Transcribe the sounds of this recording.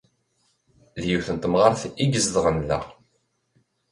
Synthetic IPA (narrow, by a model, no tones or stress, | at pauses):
ðjuθənt̪mʁaɾθiɡəzðʁənlæ̰ʁ